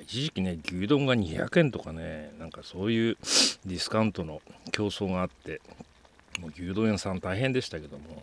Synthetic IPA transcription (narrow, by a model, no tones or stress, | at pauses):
it͡ɕiʑikʲine̞ɡʲɨːd̪õ̞ŋɡaɲ̟iça̰kɯ̟ẽ̞nt̪o̞kanenãŋkaso̞ːjɯ̟ːd̪ʲisɨ̥kãɯ̃nt̪o̞no̞kʲo̞ːso̞ːɡaːt̪ːe̞ | moːɡʲɨːd̪õẽsãnt̪aiɦẽ̞nd̪e̞ɕi̥t̪ake̞d̪o̞mo̞